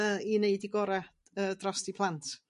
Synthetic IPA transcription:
ineɨdiɡɔɾɛ | ədrɔstipʰlˠant

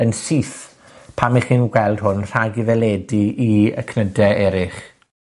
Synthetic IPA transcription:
ənsiθ | pʰamiχinɡwɛlˠd̥ɦʊnr̥aɡiðɛlɛːdiiə̰kʰnədɛʔɛɾɪχ

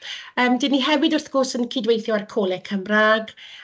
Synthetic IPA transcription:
əːmdɪniɦɛvɪdʊrθɡ̥orsənkʰidwejθjɔarkʰoːlˠɛkʰəmraɡ

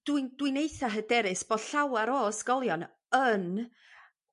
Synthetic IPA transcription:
d̥wɨnd̥wɨnejθaɦədɛɾɨsb̥ɔ̥ɬawaɾoːsɡ̥ɔlˠjɔn | ən

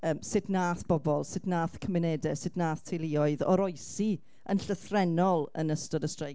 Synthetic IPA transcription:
əːmsɨdnaːθb̥ɔbɔlˠsɪdnaːθkʰəmɪnɛdɛsɪdnaːθtʰejlˠiɔɨðɔ̰ɾɔɨsi | ənɬəθrɛnɔlˠə̰nəstɔdəstrej

